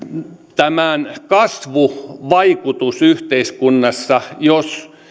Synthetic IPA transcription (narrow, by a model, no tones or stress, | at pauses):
t̪æmænkɑsʋuʋɑikut̪usyht̪eiskunːɑsːɑjos